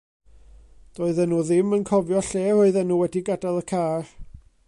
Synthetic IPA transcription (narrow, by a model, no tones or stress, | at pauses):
d̥oːɨðənuːðɪmənkʰɔvjɔɬeːoɨðənuːwɛdiɡadalˠəkʰaːr